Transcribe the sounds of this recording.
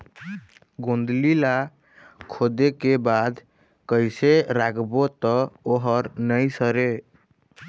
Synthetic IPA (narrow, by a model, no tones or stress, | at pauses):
ɡõnd̪lila | kʰod̪ekebad̪ | kəjseɾakʰbot̪ɔoɦəɾnəjsəɾe